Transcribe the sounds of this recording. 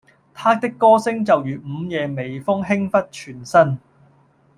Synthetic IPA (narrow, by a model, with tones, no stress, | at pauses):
t̪ʰaː˥t̪ɪ˥kːɔː˥sɪ˥ŋt͡sɐ˨wjyː˨t̚m̩ː˨˧jɛː˧me˨˩jfʊ˥ŋɦɪ˥ŋfɐ˥t̚t͡ʃʰyː˨˩nsɐ˥n